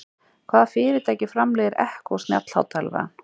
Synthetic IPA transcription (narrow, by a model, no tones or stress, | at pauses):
kʰvaːðafɪːɾɪt̪ʰajcɪfɾamlɛːɣɪɾʔɛ̰hkɔwst̪nja̰t̪l̥ha̰wt̪ɛlva̰an̥